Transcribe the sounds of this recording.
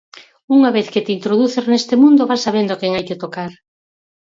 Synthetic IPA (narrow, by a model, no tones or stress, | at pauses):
uŋaβeθket̪int̪ɾoðuθeɾnest̪emũnd̪oβasːaβend̪okɛŋajket̪okaɾ